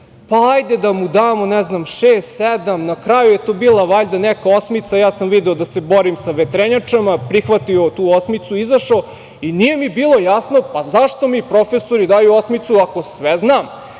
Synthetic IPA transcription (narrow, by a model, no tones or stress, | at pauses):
paajd̪ed̪amud̪aːmo̞nɛznamʃeːst̪sed̪amnakɾajujet̪obiːlˠaʋaʎd̪anɛkaosmit̪sajaːsamʋid̪eod̪aseboɾimsaʋet̪ɾeɲat͡ʂamapɾixʋat̪iot̪uːosmit̪suizaʃo | inije̞mibiːlˠo̞jasno̞pazaʂt̪o̞mipɾofesoɾid̪aːjuosmit̪suako̞sʋɛznaːm